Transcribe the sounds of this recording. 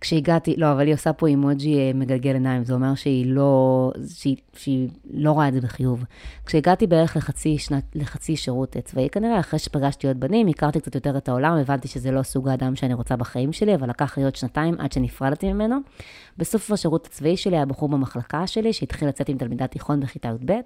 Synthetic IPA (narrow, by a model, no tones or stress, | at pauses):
kʃeiɡatilo̞avaliosapo̞imod͡ʒieme̞ɡalɡe̞lenaimzeome̞ʁʃeilo̞ʃei | ʃeilo̞ʁaeze̞beχijuvkʃeiɡatibeeʁeχleχat͡siʃnaleχat͡siʃeʁutt͡svaikaniʁeaχʁeʃe̥paɡaʃtijot̚banimikaʁt̪ik̚t͡sḁtjot̪e̞ʁetaolamevant̪iʃezelo̞suɡaːdamʃeaniʁo̞t͡sabaχaimʃe̞liavalakaχlijo̞tʃnataimʔa̰dʃenifʁalat̪imime̞no̞ | beso̞fvaʃeʁutḁt͡svaiʃe̞liabaχuʁbamaχlakaʃe̞liʃeit̪χilːat͡se̞timtalmidatiχo̞nbeχitajutbe̞t